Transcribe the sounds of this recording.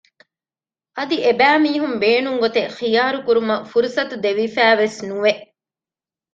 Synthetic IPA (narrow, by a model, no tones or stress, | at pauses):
ɐd̪iebæːmiːɦumbeːnuŋɡot̪exijaːɾukuɾumɐfuɾusɐt̪ud̪eʋifæːʋesnuʋeʔ